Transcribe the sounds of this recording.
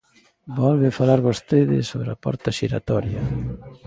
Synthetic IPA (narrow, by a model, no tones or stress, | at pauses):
bɔlβɪfalaɾβost̪eðɪ̰soβɾapɔ̰ɾt̪ɐʃiɾa̰t̪ɔɾjɐ